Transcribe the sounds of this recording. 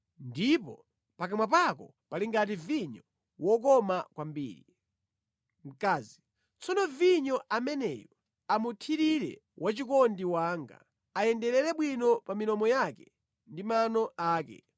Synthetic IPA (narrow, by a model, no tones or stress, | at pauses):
ndipɔ | pakamwapakɔ | paliŋɡat̬iviɲɔ | wɔk̬ɔmakwambḭːɾi | m̩kaːzi | t͡sɔnɔviɲɔʔamɛnɛ̰jɔ | amutʰiɾiɾɛ̰ | wʔat͡ʃik̬ɔndiwaːŋɡa̰ | ajɛndɛɾɛɾɛɓwinɔpaminɔmɔjakɛ | ndimanɔaːkɛ̰